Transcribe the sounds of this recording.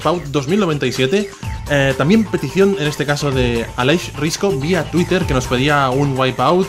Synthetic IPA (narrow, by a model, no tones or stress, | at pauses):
pawt̪̚d̪o̞zmilnoβe̞nt̪ajsje̞t̪e̞ | et̪ambje̞mpe̞t̪iθjo̞nene̞st̪e̞kaso̞ðe̞aleʃriskobiat̪wit̪e̞ɾke̞no̞spe̞ð̞iauŋwajpawt̪̚